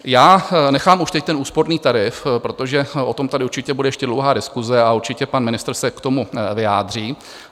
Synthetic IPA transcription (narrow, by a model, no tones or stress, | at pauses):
jaːnɛxaːmuʃt̪ɛc̚t̪ɛnʔuːspo̞ɾniːt̪aɾɪfpɾo̞t̪o̞ʒɛʔo̞t̪o̞mt̪adɪuɾt͡ʃɪcɛbudɛjɛʃcɛdlo̞wɦaːdɪskuzɛauɾt͡ʃɪcɛpanmɪnɪst̪ɾ̩sɛkt̪o̞muvɪjaːdr̝iː